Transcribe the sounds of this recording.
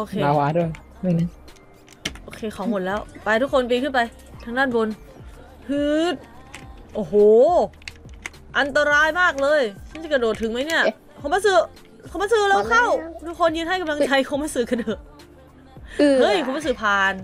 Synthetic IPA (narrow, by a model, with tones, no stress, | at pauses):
ʔoː˧kʰeː˧aː˨˧˦waː˦˧˥du˥˩əj | ma˥˩na˦˥˩ | ʔoː˧˩kʰeː˧kʰɔː˩˦ŋmo˨˩t̪̚lɛː˦˥˩wpa˧jt̪ʰu˦˥kʰo˧np̬iː˧kʰɯ˥˩npa˧j | t̪ʰaː˧˥ŋdaː˥˩nwo˧n | pʰɯː˦˥t̪̚ʔoː˧˩ɦoː˨˩ | ʔa˧nt̪a˧ɾaː˧˥jmaː˥˩k̚lɤː˧jt͡ɕʰa˥˩a˧˥˩jkɾa˧doː˨˩t̪ʰːɯ˩˦ŋma˦˥jni˥˩ɐ | kʰo˧˦mbaː˧˦sɯː˧˩ | kʰo˧˦baː˧˥sɯː˧lɛː˦˧˥wkʰa˥˩wduː˦˥kʰo˧njɯː˧˥nha˥˩jka˧mla˧ŋt͡ɕʰa˧jkʰo˧˦maː˧˥˩jsɯː˧˩ka˧doː˨˩t̪̚ | ʔɤ˦˥˩jkʰo˧˦mba˧˥˩s̬ɯː˧˩pʰaː˧n